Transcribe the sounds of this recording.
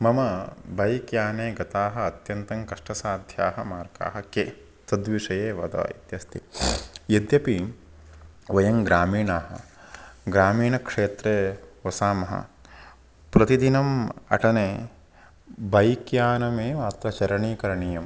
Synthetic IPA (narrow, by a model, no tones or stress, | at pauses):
mɐmɐbʱɐjkjaːneːɡɐt̪aːɦɐːt̪jɐnt̪ɐŋkɐʂʈɐsaːd̪ʱjaːɦɐmaːɾka̰ːɦɐke | t̪ɐd̪ʋiʂɐjeːʋɐd̪ɐ̰ːḭt̪jɐst̪ʰijɐd̪jɐpi | ʋɐjɐŋɡɾaːmiːɳaːɦɐ̰̆ | ɡɾaːmiːɳɐkʂeːt̪ɾeːʋɐsaːmɐɦɐ̰ | pɾɐt̪id̪inɐmɐ̰ʈɐneː | bʱɐjkjaːnɐmeːʋaːt̪ɾɐt͡ʃɐɾɐɳiːkɐɾɐɳijɐm